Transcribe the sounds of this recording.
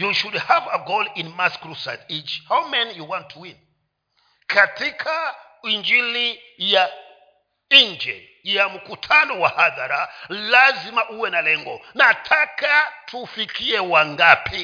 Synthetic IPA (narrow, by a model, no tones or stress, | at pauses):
juʃudhavaɡolĩnmaskɾusa̰tit͡ʃhawmɛ̃njuwãntʰuwĩn | kʰatʰikʰa | ind͡ʒili | ja | ind͡ʒɛ̰ | jamukutʰanɔwahaðaɾalazimaʔuwɛnalɛŋɡɔnatʰakatʰufikʰiɛwaŋɡapʰi